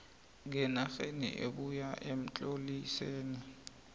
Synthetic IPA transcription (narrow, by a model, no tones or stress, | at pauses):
ŋɛnaxenḭʔebujaʔem̩t͡ɬʼoliseːni